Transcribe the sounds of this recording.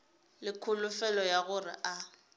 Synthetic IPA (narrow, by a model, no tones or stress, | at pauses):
lɪkʰʊlʊfɛlɔjaɣʊrɪ̰ʔa